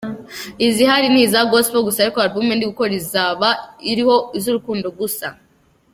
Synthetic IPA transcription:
izihaɾiniːzaɡosfoɡusaaɾikoaɾbumendiɡuko̞ɾizaβaiɾiho̞izuɾukuːndoɡusa̰

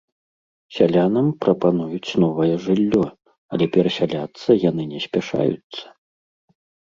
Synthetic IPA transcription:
sʲalʲanɐmpɾɐpanujut͡sʲnɔvɐjɛʐɨlʲːɔ | ɐ̰lʲɛpʲɛɾɐsʲalʲat̪sːɐjanɨnʲɛsʲpʲɛʂa̰jṵt̪sːɐ̥

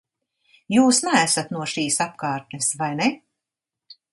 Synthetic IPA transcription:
juːsnaæsat̪nuɔʃiːsap̚kaːɾt̪nesvajnɛ

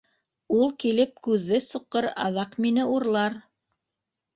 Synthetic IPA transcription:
ulˠkilɘp̚kʉðːɘsuqːɤɾɑ̰ðɑqminɘuɾlˠɑɾ

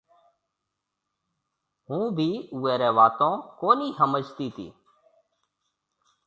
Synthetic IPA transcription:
ɦũːbʱiːuːeːɾɛːʋaːt̪õːkoːniːɦəməd͡ʒt̪iːt̪ʰḭː

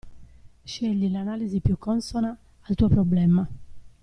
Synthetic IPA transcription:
ʃɛʎːilanaːlizipjukʰːɔnsɔnaː | lt̪uːɔpɾɔblɛma

